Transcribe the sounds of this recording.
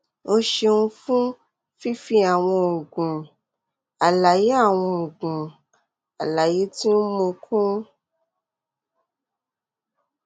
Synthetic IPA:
o˧ʃe˧nũ˧fũ˦ | fi˦fi˧a˨w̃ɔ̃˧˨ɡũ˨ | a˨la˨je˨˦a˦˨w̃ɔ̃˧˨ɡũ˨ | a˨la˨je˨˦ti˦n̩˦mo˧kʰũ˦

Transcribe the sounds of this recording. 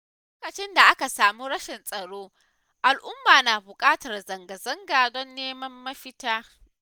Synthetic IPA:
l | oː˦kɐ˨t͡ʃɪ˦nda˨ʔa˦ka˨saː˨mu˦ɽɐ˦ʃɪ˨nsʼɐ˨ɽoː˦ | ʔa˨lʔʊ˦mːaː˨naː˨bʊ˨kʼaː˦tɐ˨rzɐ˨ŋɡɐ˨zɐ˦ŋɡaː˨dɔ˦nːeː˦mɐ˦mːɐ˦ɸɪ˦taː˦

